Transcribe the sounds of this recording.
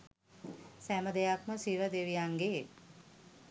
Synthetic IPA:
sæməd̪ejakməsiɾəd̪eʋijaŋɡeː

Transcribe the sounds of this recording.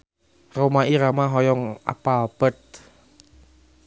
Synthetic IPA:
romaiɾamaɦɔjɔŋa̰palb̥ət̪̚

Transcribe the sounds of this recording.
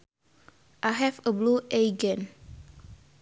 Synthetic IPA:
ʔaɦɛfəbluʔejɡə̃n

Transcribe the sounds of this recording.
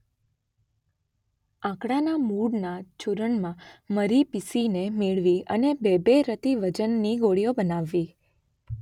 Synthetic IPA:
ãkɽanamuɽnat͡ʃuɾəɳmãməɾipisinemeɭʋiə̰nebebeɾət̪iʋəd͡ʒənːiɡoɽijobənaʋːi

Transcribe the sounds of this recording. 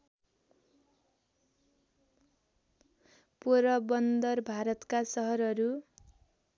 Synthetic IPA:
poɾʌbʌnd̪ʌrbʱaɾʌt̪kasʌɦʌɾʌɾu

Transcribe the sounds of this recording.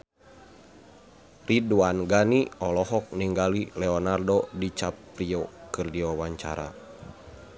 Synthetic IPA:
riduanɡaniɔlɔɦɔk̚niŋɡalilɛɔnardɔdit͡ʃapːɾiɔkɨrdiwawaɲt͡ʃa̰ɾa̰

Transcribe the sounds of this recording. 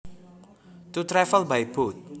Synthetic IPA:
t̪ut̪ɾɛfəlbajbut̪̚

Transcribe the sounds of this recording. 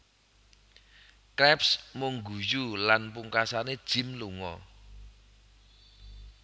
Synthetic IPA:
kɾɛpsmuŋɡṳjulanpuŋkasaned̥ʒ̥ɪ̤mluŋɔ̰

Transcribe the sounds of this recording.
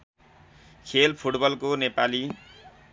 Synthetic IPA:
kʰelpʰuʈbʌlkonepali

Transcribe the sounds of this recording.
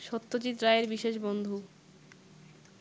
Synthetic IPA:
ʃot̪ːot͡ɕit̪ɾaeɾbiʃeʃbond̪ʱu

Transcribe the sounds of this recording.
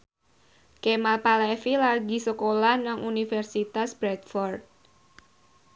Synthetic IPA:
kemalpalɛfilarɡisəkolanaŋʔunifɛrsit̪asbɾɛt̪fɔrd̪̚

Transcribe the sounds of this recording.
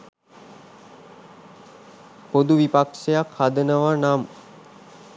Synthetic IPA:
pod̪uʋipakʂejakhad̪ənəʋanam

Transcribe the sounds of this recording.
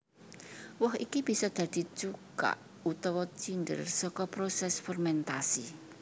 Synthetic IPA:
wɔɦikib̥i̤sɔd̪̥ä̤d̪̥i̤t͡ʃuka̰ʔ | ut̪ɔwɔt͡ʃind̪ə̰rsɔkɔpɾosɛsfɔrmɛnt̪asi

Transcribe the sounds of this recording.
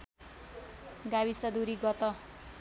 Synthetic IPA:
ɡawisʌd̪uɾiɡʌt̪ʌ

